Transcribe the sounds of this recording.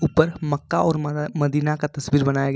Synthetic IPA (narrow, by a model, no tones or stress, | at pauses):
uːpəɾmɐkːaɔːɾmɐd̪iːnakat̪ɐswiːɾbɐnaːjaɡɐ